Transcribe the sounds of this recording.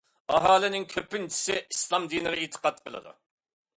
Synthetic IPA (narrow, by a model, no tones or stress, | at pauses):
ɑɦɑːlɪnɪŋkʲʰøpɪnt͡ʃʰi̥sɪislˠɑmd̪inɨʁɛit̪ʰə̥qɑt̪̚qʰəlˠɨ̰d̪ṵ